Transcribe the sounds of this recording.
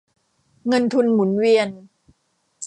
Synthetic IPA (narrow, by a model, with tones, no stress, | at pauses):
ŋɤ˧nt̪ʰu˧nmu˩˦nwi˧ən